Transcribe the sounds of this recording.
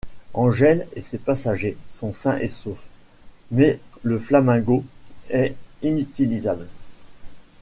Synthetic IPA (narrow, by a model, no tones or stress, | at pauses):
ɑ̃ʒɛlḛsepasaʒesɔ̃sɛ̃ʔesof | mɛləflamɛ̃ɡoɛinyt̪ilizabl